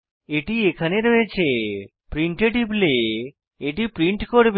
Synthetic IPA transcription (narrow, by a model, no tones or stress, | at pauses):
eʈiekʰaneɾoet͡ɕʰe | pɾiɳʈeʈible | eʈipɾiɳʈkoɾb